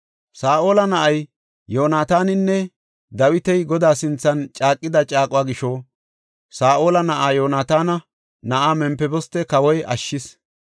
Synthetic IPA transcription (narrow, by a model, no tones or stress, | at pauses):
saːʔo̞ːlɐnɐʔɐj | jo̞ːnaːt̪aːnɪnːɛ | d̪ɐwɪt̪ɛjɡɔd̪aːsɪnt͡sːɐnt͡ʃʼaːkʼːɪd̪ɐt͡ʃʼaːkʼʊwaːɡɪʃɔ | saːʔo̞ːlɐnɐʔaːjo̞ːnaːt̪aːnɐ | nɐʔaːmɛmpɛbɔst̪ːɛkɐwɔjɐ̰ʃːɪs